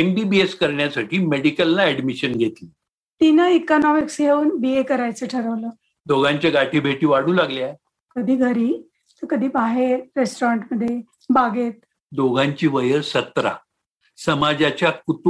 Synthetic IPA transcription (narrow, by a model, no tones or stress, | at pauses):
embibieskəɾɳjasaʈiːmeɽikəlːaɛɽmiɕənɡʱet̪li | t̪inəikɔnɔmiksɡʱeuːnbiekəɾajt͡səʈʰəɾəʋləː | d̪oɡãɲt͡ɕjaɡaʈʰiːbʱeʈiːʋaɽũːlaɡljaj | kəd̪ʱiːɡʱəɾiː | t̪əɾkəd̪ʱiːbaɦeɾːesʈɾaɳʈməd̪ʱːje | baɡet̪̚ | d̪oɡʱãɲt͡ɕiːʋəjəɾsət̪ɾa̰ | səmad͡ʑat͡ɕjakut̪